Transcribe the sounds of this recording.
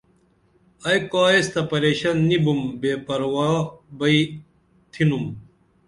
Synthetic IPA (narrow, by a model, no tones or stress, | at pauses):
ɐjkaːest̪ɐpɐɾeːɕɐnːibumbeːpɐɾwaːbɐi | t̪ʰinum